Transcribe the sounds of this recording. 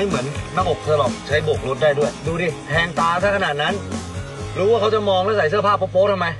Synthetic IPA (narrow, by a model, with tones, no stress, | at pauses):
jmɯ˩˦ənnaː˥˩kʔo˨˩k̚a˧lɔː˨˩p̚t͡ɕʰa˦˥jbo˨˩k̚lu˦˥t̪̚daː˥˩jdu˥˩əjduː˧ɾiː˧˩pʰɛː˧ŋt̪aː˧t̪ʰa˥˩ka˧naː˨˩t̪̚na˦˥n | ɾuː˦˥waː˥˩kʰa˦˥wt͡ɕa˨˩mɔː˧ŋlɛː˦˥˩sa˩˦s̬ɯ˥˩əpʰaː˥˩pːo˦˥pːoː˦˥t̪ʰa˥˩ma˧j